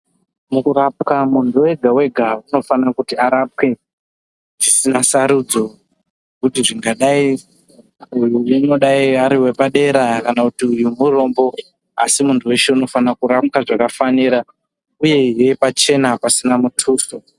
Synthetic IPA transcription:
mukuɾapkamuntuwe̞ɡʱawe̞ɡʱauno̞fanakutiaɾap̚ke̞ | ʐisinasaɾud͡zo̞ | ekutiʐiŋɡaɗai | ujuino̞ɗaiaɾiwe̞paɗe̞ɾakanakutiujumuro̞mbo̞ | a̰simuntʰuwe̞ʃe̞uno̞fanakuɾap̚kaʐakafaniɾa | uje̞ije̞pat͡ʃe̞napasinamutʰuːso

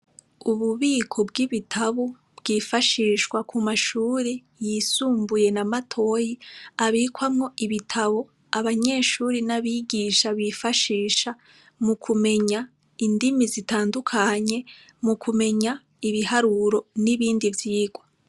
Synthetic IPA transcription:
uβuβiːkʰo̞bɡiβitʰaβu | b̥ɡiːfaʃiːʃɡwakʰumaʃuːɾi | jisuːmbuje̞namatʰo̞jiaβiːkwamŋo̞ʔiβitʰaβo | aβaɲe̞ːʃuːɾinaβiɡiːʃaβifaʃiːʃa | mukʰume̞ɲa | indimizitaːndukʰaɲe̞ | mukʰume̞ɲa | iβihaɾuɾo̞niβiːndivjiːɡwa

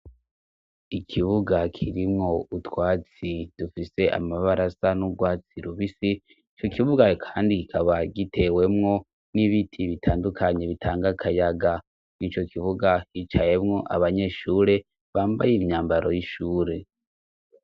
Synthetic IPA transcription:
ikʰiβuɡakʰiɾimŋo̞utwaːt͡sid̥ufise̞ʔa̰maβaɾasanuɡwaːt͡siɾuβisi | it͡ʃo̞kiβuɡakʰaːndikikʰaβaɡitʰe̞we̞mŋo̞ | niβitʰiβitʰaːndukʰaɲe̞βitʰaːŋɡakʰajaɡa | nit͡ʃo̞kʰiβuɡahit͡ʃaje̞mŋo̞ʔa̰βaɲe̞ʃuːɾe̞ | βaːmbajemɲaːmbaɾo̞jiʃuːɾe̞

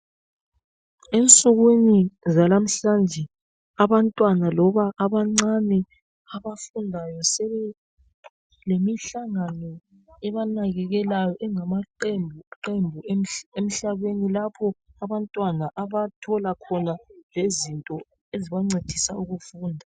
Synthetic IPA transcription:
ent͡sʼuɣwinizalam̩ɬand͡ʒʱɛ | aβantʼwanalɔβaʔːβaŋ͡ǀanɛ | aβafundʱajɔsɛβɛ | lemiɬaŋanɔ | ɛβanaɣɛɣɛlajɔʔɛŋamaǃembʱuǃembʱuem̩ɬaβenilapʰɔaβantʼwanaʔaβatʰɔlakʰɔnalezintʼɔ | eziβaŋ͡ǀed̥ʱisauɣufuːndʱa

